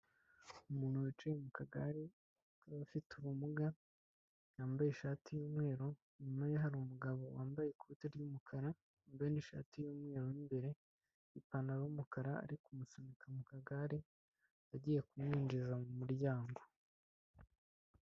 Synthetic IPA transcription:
umuːn̥huwit͡ʃujemukʰaɡaɾi | kaβafituβumuɡa | jaːmbajeʃaːtʰijoːmŋe̞ːɾo̞ | ɲimajeɦaɾuːmuɡaβo̞waːmbajekʰuuteɾɟuːmukʰaɾa | mbajeniʃa̰ːtijoːmŋe̞ːɾoimbe̞ɾe | ipanaɾaumukaɾaa̰ɾikumusomikʰamukaɡaɾi | aɟiːje̞kumɲiːnd͡ʒizamumuɾɟaːŋɡo̞

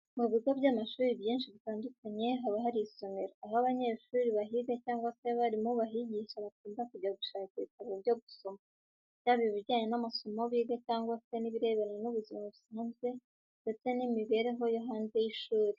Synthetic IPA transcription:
muβiɡobɟaːmaʃuːɾibjiːnʃiβitaːndukaɲe̞ɦaβaɦaɾiso̞me̞ɾoaɦaβaɲe̞ʃuːɾiβaɦiːɡacaːŋɡwase̞βaɾimoβaɦiɟiʃaβakuːndakuɟaɡuʃaːciβitaβobɟoɡusoma | jaːβiβiɾɟaːɲe̞namasomoβiːɡacaːŋɡwase̞niβiɾe̞ːβeɾaɲenuβuzimaβusaːnzɡe̞ | nde̞t͡se̞nimiβe̞ːɾe̞ɦo̞joɦaːnze̞jiʃuːɾi

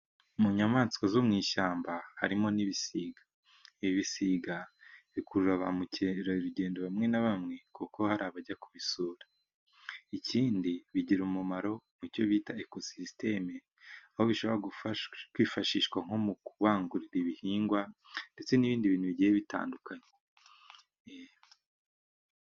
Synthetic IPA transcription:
muɲamaːnt͡skazomŋiːʃaːmbaha̰ɾimo̞niβisiːɡḁ | iβiβisiɡaβikuɾuɾaβamuɾaɾuɟe̞ːndoβamŋe̞naβamŋe̞kuko̞haɾaβaɟakuβisuːɾa | icʰiːndiβiɟiɾumumaɾo̞mico̞βiːtaeko̞siste̞me | ahoβiʃo̞βoɾakwiːfaʃiːʃkwaŋ̥o̞mukuβaːŋɡuɾiɾiβihiːŋɡwande̞t͡se̞niβiːndiβiːnhuβiɟiːjeβita̰ːndukaɲe | e

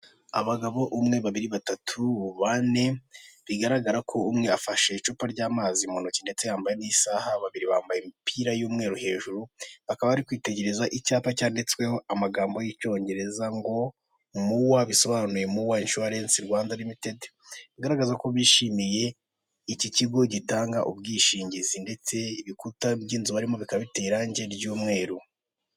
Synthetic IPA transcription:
a̰βaɡaβo̞ʔumŋe̞βaβiɾiβatatʰuβane̞βiɡaɾaɡaɾakʰo̞umŋe̞afaʃe̞it͡ʃupaɾɟaːmaːzimo̞nocinde̞t͡sejaːmbajenisaːhaβaβiɾiβaːmbajemipiɾajuːmŋe̞ːɾuhe̞ːʒuɾuβakaβaβaɾikwiːte̞ɟe̞ɾe̞zaʔicaːpacaːndet͡swe̞ho̞amaɡaːmbo̞jico̞ːɲɟe̞ɾe̞zaŋɡo̞ | muwaβiso̞βaːnuje̞muwainʃuaɾe̞ːnsiɾɡwaːndanimite̞de̥ | βiɡaɾaɡazakoβiːʃimije̞ | iciciɡo̞ɟitaːŋɡaʔubɡiːʃiːɲɟizinde̞t͡se̞βikutabɟiːnzuβaɾimo̞βikaβite̞ːɾaɲɟe̞ɾɟuːmŋe̞ːɾu

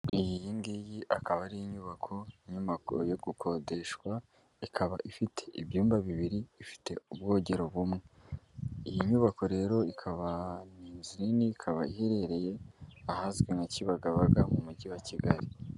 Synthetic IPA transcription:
ijijiŋɡijiʔakaβaɾijiɲuβakʰo̞jamakuɾojoɡukʰo̞de̞ʃkwa | ikʰaβaʔifitʰe̞̥ʔiβjuːmbaβiβiɾiːfi̥te̞ubɡo̞ːɟe̞ɾo̞βumŋe | ijiɲuːβako̞ɾe̞ːɾo̞ikʰaβaniːnzininiːkʰaβaihe̞ɾe̞ɾe̞je̞ahazɡweŋaciβaɡaβaɡamumuɟiwaciɡaɾi

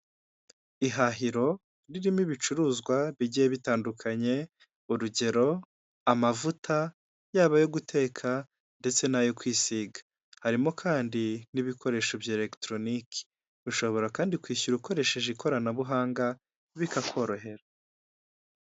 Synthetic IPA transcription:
iɦaɦiɾo̞ | ɾiɾimiβit͡ʃuɾuːzɡwaβiɟijeβitaːndukʰaɲe̞ | uɾuɟe̞ɾo̞ | amavutʰa | jaːβajo̞ɡutʰe̞ːkʰa | nde̞t͡se̞najokwiːsiːɡḁ | haɾimo̞kʰaːndiniβikʰo̞ɾe̞ːʃobjaele̞ktɾo̞niki̥ | βiʃo̞βo̞ɾakaːndikwiːçuɾuko̞ɾe̞ʃe̞ʒekʰo̞ɾanaβuɦaːŋɡa | βikakʰo̞ːɾo̞ɦe̞ɾa

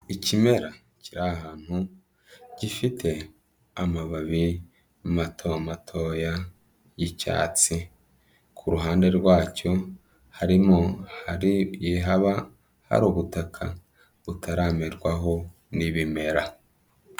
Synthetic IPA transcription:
icime̞ɾa | ciɾaɦaːn̥hu | ɟ̥ifitʰe̞ | amaβaβi | matʰomatʰo̞ja | jica̰ːt͡si | kʰuɾuɦaːnde̞ɾɡwaːco̞ | haɾimohaɾijeɦaβa | ha̰ɾuβutakʰa̰ | βutʰaɾaːmeɾɡwaɦo̞ | niβime̞ɾa

